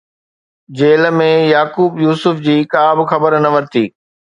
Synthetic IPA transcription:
d͡ʑeːlmẽjaːkuːbjuːsʊfd͡ʑiːkaːbxɐbəɾnɐʋəɾt̪ʰiː

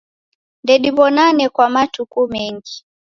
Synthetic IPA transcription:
ndɛɗiβɔnanɛkwamatukumɛŋɡi

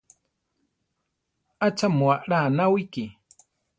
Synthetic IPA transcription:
at͡ʃʰamwaʔɺanawiki

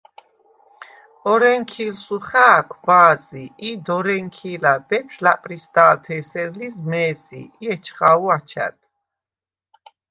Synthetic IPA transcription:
ɔɾɛŋkʰiːlsuχaːkʰbaːziid̪ɔɾɛŋkʰilabɛpʃlapʼɾisd̪aːlt̪ʰɛsɛɾlismɛːsḭiɛt͡ʃʰχauat͡ʃʰa̰d̪̥

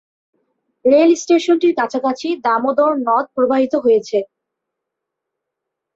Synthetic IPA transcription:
ɾelsʈeʃonʈiɾkat͡ɕʰakat͡ɕʰid̪amod̪oɾnɔt̪̚pɾobʱaɦit̪oɦojet͡ɕʰe

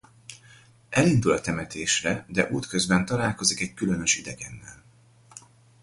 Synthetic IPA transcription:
ʔɛlind̪ulɒt̪ɛmɛt̪ʰeːʃrɛd̪ɛʔuːt̪kø̞zbɛnt̪ɒlaːlko̞zikɛckylønøʃid̪ɛɡɛnːɛl

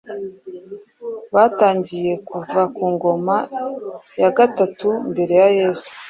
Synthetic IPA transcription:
βaːtaːɲɟije̞kuvakuːŋɡo̞ma | jaɡatatumbe̞ɾe̞jaje̞ːsu̥

